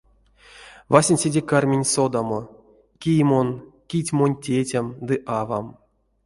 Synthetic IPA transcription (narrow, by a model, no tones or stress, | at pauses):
vasʲenʲsʲedʲekarmʲenʲsod̪amo | kʲijmonkʲitʲmo̞nʲtʲetʲamd̪ɨʔavam